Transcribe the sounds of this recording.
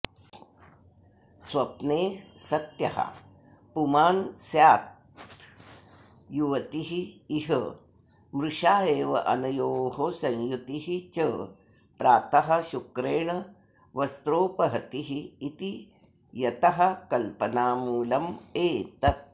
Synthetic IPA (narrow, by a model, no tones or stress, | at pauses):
swɐpneːsɐt̪jɐɦɐ̰ | pumaːnsjaːt̪ | juʋɐt̪iɦiːɦə | mɾuʂaːeːʋɐʔɐnɐjoːɦosɐ̃ɲjut̪iɦit͡ʃə | pɾaːt̪ɐɦɐ̆ʃukɾeːɳɐ | ʋɐst̪ɾoːpɐɦɐt̪iɦiːt̪i | jɐt̪ɐɦɐkɐlpɐnaːmuːlɐmeːt̪ɐt̪̚